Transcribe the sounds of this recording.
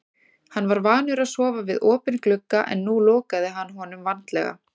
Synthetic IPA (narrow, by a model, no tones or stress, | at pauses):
hanːvaɾvaːnʏɾaðsɔːvavɪðɔːpʏnklʏkːaʔɛ̰nːuloːkaðɪɦanːɦɔnʏmvant̪lɛ̰ɣa̰